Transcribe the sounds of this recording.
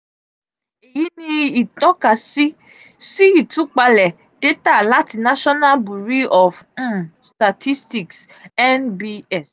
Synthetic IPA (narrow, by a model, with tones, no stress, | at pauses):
e˨ji˨˦nĩ˦i˨tɔ˨˦ka˨si˦ | si˦i˨tũ˨˦k͡pa˧lɛ˨ | de˦ta˦˨la˨˦ti˦na˦ʃɔ˦na˦lbu˨ɾi˦ɔ˨f̩˦sta˨tʰi˦sti˦˨ks | ɛ˦nbi˦ɛ˦˨s